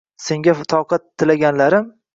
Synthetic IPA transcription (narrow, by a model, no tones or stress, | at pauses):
se̞ŋɡʲat̪ʰɒwqʰɑt̪ʰːɪlaɡʲanlaɾɪm